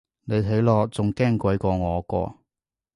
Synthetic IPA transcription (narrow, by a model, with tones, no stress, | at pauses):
ne˨˧jte˨˥jlɔː˧t͡sʊ˨ŋkɛː˥˩ŋkʷɐ˨˥jkɔː˧ŋɔː˨˧kɔ̰ː˧